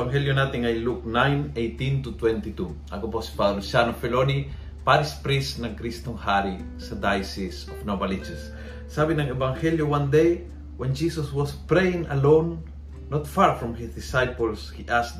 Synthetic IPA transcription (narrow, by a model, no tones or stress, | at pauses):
aŋhɛljonat̪ɪŋajluk̚nãjnejt̪ĩnt̪ut̪wɛ̃nt̪it̪u | ʔɐkoposi̥pad̪losanofɛloni | paɾɪspɾisnɐŋkɾist̪oŋhaɾi | sɐd̪ajsisɔfnobalit͡ʃɛsː | abɪnɐŋɛbaŋhɛljowãnd̪ej | wɛ̃nd͡ʒisɐswɔspɾejɪ̃ŋɐlõnː | ɔt̪faɹfɹɔ̃mhɪsd̪ɪsajpolshiʔasd̪